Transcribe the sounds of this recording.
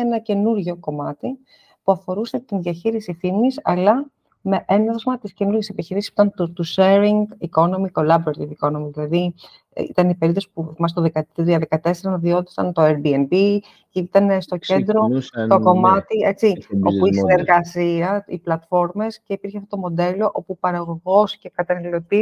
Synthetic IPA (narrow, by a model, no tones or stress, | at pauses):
enɐce̞nuɾʝo̞ko̞mɐt̪i | puɐfo̞ɾuse̞t̪inðjɐçiɾisiθimisɐlɐ | me̞ʔenɐθozmɐt̪isce̞nuɾʝesepiçiɾisispit̪ɐnt̪ut̪useɾiŋɡiko̞no̞miko̞lɐbɾet̪iviko̞no̞miðilɐði | it̪ɐnipe̞ɾip̪ðosi̥pumɐs̬t̪oðekɐðiɐðekɐt̪e̞seɾɐnðio̞t̪i̥sɐnt̪o̞enbienbi | cit̪ɐnest̪o̞ce̞nd̪ɾo̞t̪o̞ko̞mɐt̪ie̞t͡sio̞puisineɾɣɐsiɐiplɐt̪fo̞ɾme̞sce̞ipiɾçeɐft̪ot̪o̞mo̞d̪e̞lo̞ʔo̞pupɐɾɐɣo̞ɣo̞sce̞kɐt̪ɐnɐlilo̞t̪i